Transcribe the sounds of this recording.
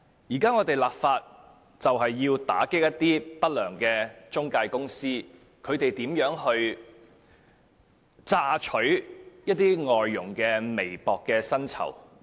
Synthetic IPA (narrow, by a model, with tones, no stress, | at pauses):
jiː˨˩kaː˥ŋɔː˨˧t̪e˨jlaː˨p̚faː˧t̚ | t͡sɐ˨wɦɐ˨jːiː˧wt̪a̰ː˨˥kɪ˥k̚jɐ˥t̪ːiː˥pɐ˥t̚lœː˨˩ŋkɛː˧t͡ʃʊ˥ŋkaː˧jkʊ˥ŋsiː˥ | kʰɵ˨˧ɥt̪e˨jt̪iː˨˥mjœː˨˥ŋɦɵ˧ɥ | t͡saː˧˥t͡ʃʰɵ˨˥ɥjɐ˥t̪̚iː˥ŋɔː˨jːʊ˨˩ŋkɛː˧me˨˩jpɔː˨kːɛː˧sɐ˥nt͡sʰɐ̰˨˩w